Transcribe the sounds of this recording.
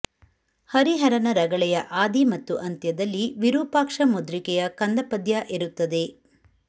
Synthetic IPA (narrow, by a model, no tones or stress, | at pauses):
hɐɾiɦɐɾɐnɐɾɐɡɐɭɛjɐʔaːd̪imɐt̪ːuʔɐnt̪jɐd̪ɐlːiʋiɾuːpaːkʂɐmod̪ɾikɛjɐkɐnd̪ɐpɐd̪jaʔeɾut̪ːɐd̪e̞